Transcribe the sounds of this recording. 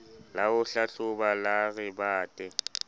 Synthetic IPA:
laʊɬaɬʊbalaɣɪbaːtʼɛ

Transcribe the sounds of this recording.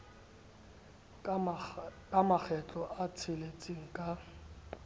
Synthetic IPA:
kʼamak͡xʰɛt͡ɬʼɔʔat͡sʰɪlet͡sʼiŋ̩kʼa

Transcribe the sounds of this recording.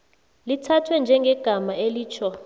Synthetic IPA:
litʰatʰwɛnd͡ʒʱɛŋɡʱɛɡ̥ʱamaeliːt͡ʃʰɔ

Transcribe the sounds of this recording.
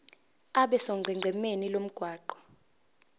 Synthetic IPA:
aɓɛsɔɡʱɛŋ͡ǀʱɛmenilom̩ɡ̥ʱwaːǃɔ̥

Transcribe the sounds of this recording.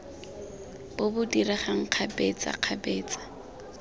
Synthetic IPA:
b̥ʊbʊdiraχaŋ̩q͡χʰabɛt͡sa̰q͡χʰabɛːt͡sʼḁ

